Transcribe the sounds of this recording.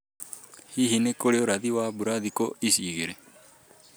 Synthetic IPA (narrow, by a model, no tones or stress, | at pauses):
hiɦinekoɽijoɾad̪iwaːbuɾaːd̪ikoisiɡeɾe